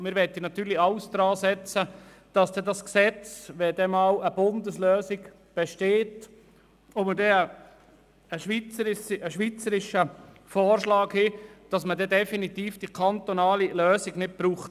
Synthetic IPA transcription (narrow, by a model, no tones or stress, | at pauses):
mɪɾʋɛt̪ːinɑt̪yːɾliɑʊsd̥ɾɑːsɛt͡sə | d̥ɑsd̥ɛdɑsksɛt͡sʋɛd̥̪ɛmɑwəb̥ʊnd̪əsløːsiɡ | b̥ɛʃteːt | omədɛə | əʃʋit͡səɾɪsʔəʃʋiːt͡səɾɪʃə | fɔːrʃlɑːkhid̥ɑsmədɛdɛfinit̪iːfd̥ikʰɑnt̪onɑːliløːsiɡnɪt̚b̥ɾuːχt